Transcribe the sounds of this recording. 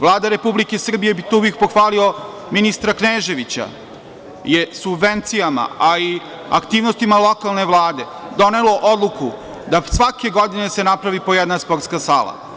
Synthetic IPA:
ʋlˠaːd̪aɾe̞publikesr̩bije̞bit̪ouʋek̚poxʋaːlio̞ | minist̪ɾakneːʒe̞ʋit͡ɕa̰ | je̞subʋe̞nt̪sijama̰ai | a̰kt̪iːʋnost̪imalˠo̞kalˠne̞ʋlˠaːd̪e̞ | d̪o̞ne̞lo̞ʔod̪lˠuku | d̪asʋake̞ɡo̞d̪ine̞se̞napɾaʋipo̞jɛd̪naspo̞ɾt̪skasa̰ːla̰

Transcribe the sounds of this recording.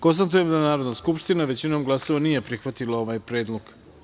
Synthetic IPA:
ko̞nst̪at̪ujemd̪anaːɾo̞d̪naskupʃt̪inaʋe̞t͡ɕino̞ːmɡlˠaso̞ʋaniːje̞pɾixʋat̪ilao̞ʋaːjpɾe̞ːd̪lˠoɡ

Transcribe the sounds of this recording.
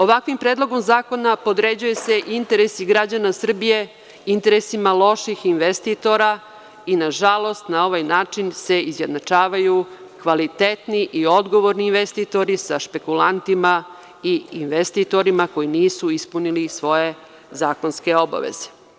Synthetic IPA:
o̞ʋakʋimpɾeːd̪lˠo̞ɡo̞mzaːko̞napo̞d̪ɾe̞d͡ʑujese̞ʔint̪e̞ɾe̞siɡɾad͡ʑanasr̩bije̞ | int̪e̞ɾesimalˠo̞ʃixinʋest̪it̪o̞ɾa | inaʒalˠo̞st̪nao̞ʋajnaːt͡ʃinse̞izje̞d̪nat͡ʃaːʋajukʋalit̪et̪niʔio̞d̪ɡo̞ʋo̞ɾniːnʋest̪it̪o̞ɾisaʃpe̞kulant̪ima | iinʋest̪it̪o̞ɾimako̞jiniːsuispunilisʋo̞je̞ | zaːko̞nske̞o̞ba̰ʋḛze̥

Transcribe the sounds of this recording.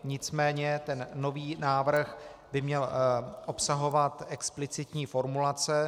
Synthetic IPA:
ɲɪt͡smɛːɲɛt̪ɛnːo̞viːnaːvr̩xbɪmɲɛlʔopsaɦo̞vat̪ʔɛksplɪt͡sɪt̪ɲiːfo̞ɾmulat͡sɛ

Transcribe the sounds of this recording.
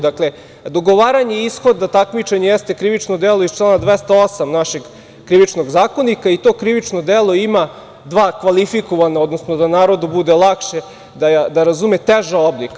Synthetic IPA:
d̪akle̞ | d̪oɡo̞ʋaːɾaɲeisxod̪at̪akmit͡ʃeɲejest̪e̞kɾiʋit͡ʃnod̪eloist͡ʃlˠanad̪ʋest̪aosamnaʃeɡ | kɾiʋit͡ʃno̞ɡzaːko̞nikait̪oːkɾiʋit͡ʃnod̪elˠo̞ima | d̪ʋaːkʋalifikoʋanaod̪no̞snod̪anaːɾo̞d̪ubud̪e̞lˠakʃe | d̪aad̪aɾazumet̪eʒaoblika

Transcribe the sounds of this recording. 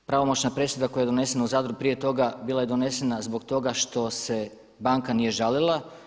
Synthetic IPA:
pɾaʋo̞mot͡ɕnapɾe̞sed̪ako̞jajeone̞se̞nauzaːd̪ɾuɡupɾije̞t̪o̞ɡabilˠaje̞d̪o̞nese̞nazbo̞ɡt̪o̞ɡaʃt̪o̞se̞ | baŋkanije̞ʒalilˠa

